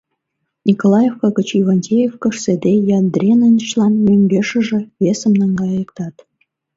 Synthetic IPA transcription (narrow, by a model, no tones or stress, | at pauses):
nʲikolˠɑjefkɑɡə̆t͡ɕivɑnʲtʲejefkɤ̆ʃsĕd̪ʲejɑnd̪rʲenə̆nʲət͡ɕlˠɑnmʲøŋʲɡʲeʃə̆ʒĕβʲesə̆mnɤ̆ŋɡɑjɤkt̪ɑt̪